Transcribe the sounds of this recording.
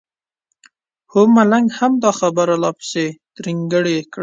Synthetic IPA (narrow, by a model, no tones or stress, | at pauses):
homalaŋɡhamd̪ɑxabaɾalɑpɪ̥sed̪̥ɾiŋɡəɽekɽ